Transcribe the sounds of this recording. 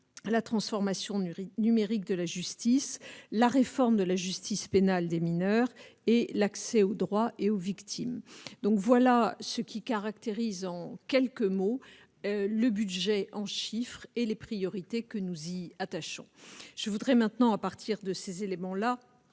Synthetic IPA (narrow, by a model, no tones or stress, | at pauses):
lat̪χɑ̃sfɔʁmasjɔ̃inymeʁik̚d̪əlaʒyst̪islaʁefɔʁmd̪əlaʒyst̪ispenald̪eminœʁelaksɛod̪ʁwaʔeovikt̪ʰimd̪ɔ̃kvwalasəkʲikaʁak̚t̪eʁizɑ̃kʲɛlkəmo | ləbyd̪ʒɛʔɑ̃ʃifχelepχijɔʁit̪ekənuziat̪aʃɔ̰̃ʒ̥əvud̪ʁɛmɛ̃t̪nɑ̃apaʁt̪ʰiʁd̪əsezelemɑ̃la